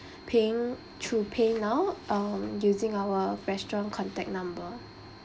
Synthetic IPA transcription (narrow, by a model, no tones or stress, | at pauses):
pʰeɪ̃ŋ | tʰupʰẽnawʔamjuzĩŋawəɹɛstɹɔ̃nkʰɔ̃ntɛk̚nãmbə